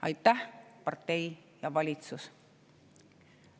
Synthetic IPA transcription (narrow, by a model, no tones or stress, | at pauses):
ɑ̰jt̪ːæhpɑrt̪ːe̞jjɑvɑlʲit̪sus